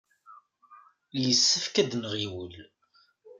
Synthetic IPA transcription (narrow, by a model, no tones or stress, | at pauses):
ljəsːəfkæd̪nʁiwəl